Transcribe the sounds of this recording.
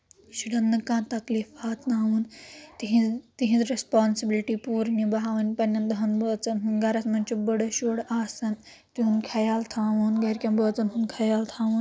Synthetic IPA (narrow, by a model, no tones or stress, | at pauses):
ʃiɽɐnːɨkãːnt̪ɐkliːfaːt̪ʰnaːʋunt̪ɦit̪iɦĩd̪ɾespaːnsibilʈiːpuːɾnibɐɦaːʋɐnʲpɐnʲːɐnd̪ɐɦɐnbəːt͡sɐnɦunɡɐɾɐsmɐnʲt͡ʃubɐɽɐʃoːɽaːsɐn | t̪iɦunkʰɐjaːlt̪ʰãːʋunɡɐɾʲkʲɐ̃nbəːt͡sɐnɦunkʰɐjaːlt̪ʰãːʋun